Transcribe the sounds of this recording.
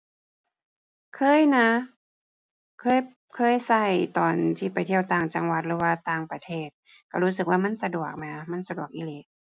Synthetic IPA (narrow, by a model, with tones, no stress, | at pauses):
kʰɤː˧˥˨jna˧˥ | kʰɤː˧˥˨j | kʰɤː˧˥˨jsa˧˩jt̪ɔː˨˩nt̪ʰiː˧˩pa˨˩jt̪ʰi˧˩əwt̪aː˨˩ŋt͡ɕa˨˧˨ŋwa˧˦t̪̚lɯː˧˦waː˧t̪aː˧˩ŋpa˧t̪ʰeː˧˩t̪̚ | ka˧˩huː˦˥sɯ˨k̚waː˧ma˧˥˨nsa˧du˨˩ək̚ma˧jʔa˧ma˧˥˨nsa˧du˨˩ək̚ʔi˧le˧˦